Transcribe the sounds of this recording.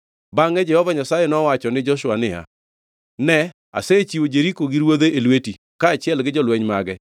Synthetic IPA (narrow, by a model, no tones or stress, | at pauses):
baŋɛd͡ʒɛhɔvaɲasajɛnɔwat͡ʃɔnɪd͡ʒɔʃwanɪja̰ | nɛ | a̰set͡ʃiod͡ʒeɾikoɡiɾwod̪eelweti | kaːt͡ʃɪjɛlɡɪd͡ʒɔlwɛɲmaɡɛ